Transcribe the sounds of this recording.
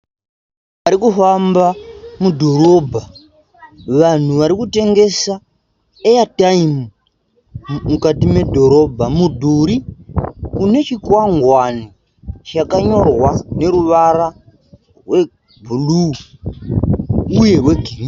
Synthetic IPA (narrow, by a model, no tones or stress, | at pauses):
paɾikufambamudʱo̞ɾo̞bʱa | ʋan̤uʋaɾikute̞ŋɡe̞sa | ejataimu | mukatime̞dʱo̞ɾo̞bʱamudʱuːɾi | kune̞t͡ʃikwaŋɡwani | t͡ʃakaɲo̞rwane̞ɾuʋaɾa | rwe̞ | bʱulu | uje̞rwe̞ɡʱiri